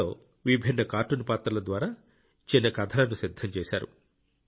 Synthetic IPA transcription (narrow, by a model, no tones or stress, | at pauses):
oː | ʋibʱinːɐkaːɾʈunpaːt̪ɾɐlɐd̪ʋaːɾaː | t͡ʃinːɐkɐd̪ʱɐlɐnusid̪ʱːɐmt͡ʃeːʃaːɾṵ